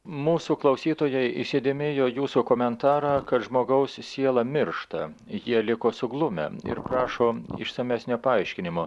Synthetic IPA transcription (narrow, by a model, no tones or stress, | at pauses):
muːsuːklˠɐʊsʲiːt̪oːjɛɪɪsʲed̪ʲɪmʲɪjoːjuːsukoːmʲɛnt̪ɑːɾɑːkɐt̪ʒmoːɡɐʊssʲiɛlˠɑmʲɪɾʃt̪ɐjiɛlʲɪkoːsʊɡlˠʊmʲɛ̰ɪ̰ɾpɾɑːʃoːɪ̰ʃsɐmʲæːsʲnʲopɐɐɪʃʲkʲɪnʲɪmʊ